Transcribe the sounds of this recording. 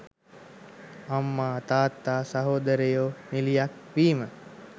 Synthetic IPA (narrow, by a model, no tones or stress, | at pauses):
amːaːt̪aːt̪ːaːsaɦoːd̪əɾejoːnilijak̚ | ʋiːmə